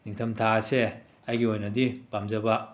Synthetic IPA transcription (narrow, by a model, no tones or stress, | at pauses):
niŋtʰɐmtʰaɐse | ajɡiojnɐdipamzɐbɐ